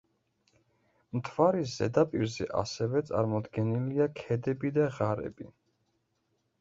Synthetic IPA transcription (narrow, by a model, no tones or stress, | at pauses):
mt̪ʰvaɾiszɛ̰d̪apʼiɾzɛ̰ʔa̰sɛvɛt̪sʼa̰ɾmɔd̪ɡɛniliakʰɛd̪ɛbid̪aʁaɾɛ̰bi